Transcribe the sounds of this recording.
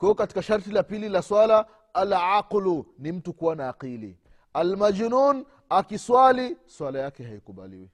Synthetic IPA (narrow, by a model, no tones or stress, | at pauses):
kwɛɔkati̥kaʃaɾtilapililaswala | alʕaqlunim̩tukuwanaːqilḭ | almad͡ʒnun | akiswaliswalajakɛɦaikuɓa̰lḭwḭ